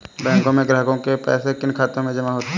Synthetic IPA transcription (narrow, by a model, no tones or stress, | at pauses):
bɛ̃ːŋkõmẽɡɾəɦkõkepɛ̰ːsekɪnkʰaːt̪ɾmẽd͡ʒɐmaɦoːt̪